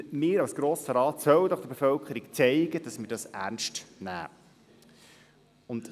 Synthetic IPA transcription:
mɪːɾɑwsɡ̥ɾoːsəɾɑːt̪sœwd̪ɔχd̥̪əbefœlkʰəɾikt͡sɛɪɡəd̥ɑsmɪːdɑsæ̰ɾnʃtnæ̰ː | ʊnd

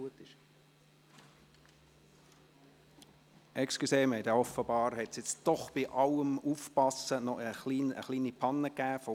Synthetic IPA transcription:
uət̪ɪʃ | ʔɛksklyseːmɛɪdɛɔfəbɑːɾhɛtsjɛt͡sd̥ɔχb̥iʔɑləmuːfpɑsənɔəχliːnə̰χliːnipʰɑnːəkæːfɔ

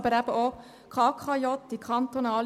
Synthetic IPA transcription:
bəɾæb̥əʔo | kʰɑːkʰɑjɔt̪ːikʰɑnt̪onɑːl

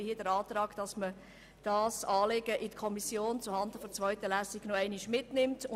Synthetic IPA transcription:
hiədəɾɑːtrɑːɡ̥d̥ɑsmə | d̥ɑːsɑːleɡ̥əʔɪdəkʰɔmisjoːnt͡suhɑnd̪əfɔt͡sʋœʏtəlæsiɡnɔɛɪniʃmɪtnɪmtʊ

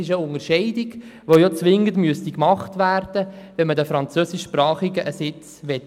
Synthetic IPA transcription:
ɪʃəʊŋəɾʃɛɪdɪɡʋojɔt͡sʋɪŋːəndmyəst̪ikmɑχtʋæːrd̥əʋɛnmədəfɾɑnt͡søsiʃpɾɑːχiɡəʔəsɪt͡sʋɛt

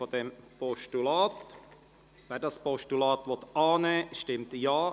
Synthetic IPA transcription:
od̪ɛmpɔʃtulɑːt | ʋɛːɾdɑspɔʃtulɑːt̪ʋɔt̪ɑːnɛːʃtɪmt̪jɑː

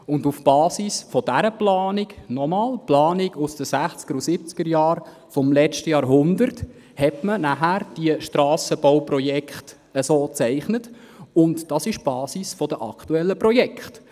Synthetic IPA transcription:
ʊndufb̥ɑːsisfɔd̥æɾəplɑːnɪɡnɔmɑːlplɑːnɪɡusd̥əsæχt͡sɡəɾusɪp̚t͡skəɾjɑːɾ | fɔmlɛt͡ʃtəjɑːɾɦʊndəɾt | hɛtmənæɦæɾd̥iəʃtɾɑːsəbɔwprɔjɛkχt | əsoːt͡sɛɪχnət | ʊntd̥ɑsɪʃb̥ɑːsisfɔd̥əʔɑ̰ktuɛlːəprɔjɛkχt

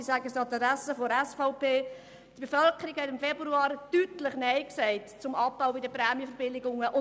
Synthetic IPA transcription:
isæɡəsɑt̪əɾɛsəfoɛsfaʊpeː | tb̥efœlkəɾikhɛtɪmfɛbɾuɑːɾtytləχnɛɪksɛɪtt͡sʊmɑpːaʊbidəprɛːmjəfəɾbɪlɪɡʊŋəʔʊ

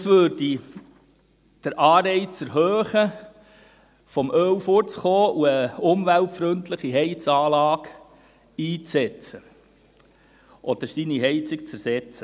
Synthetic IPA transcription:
sʋøɾd̥i | d̥əɾʔɑːɾɛɪt͡sɛɾɦøːχə | fɔmʔœwfʊɾt͡sχoːʔuəʊmʋæltfɾɵntləχiɦɛɪt͡sɑːlɑːk | iːt͡sɛt͡sə | ʔɔd̥̪əɾsiniɦɛɪt͡sikt͡sæɾsɛt͡sə

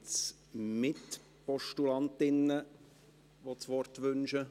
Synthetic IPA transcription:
t͡s | mɪt | pɔʃtulɑntɪnːə | ʋot͡sʋɔrtʋʏnʃə

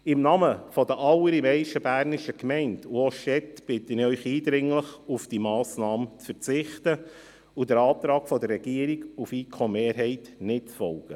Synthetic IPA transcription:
ɪmnɑməfɔdəʔɑləɾimɛɪʃəbæːɾnɪʃəkmɛɪntuɔʃɛtb̥ɪtənɪœʏχiːd̪ɾɪŋləχufd̥imɑːsnɑːmt͡sfəɾt͡sɪχtə | ud̥əɾɑːp̚t̪ɾɑːkfɔdərːɛɡ̥iəɾiɡufiːkʰomeːɾɦɛɪtnɪtt͡sfɔlɡ̥ə

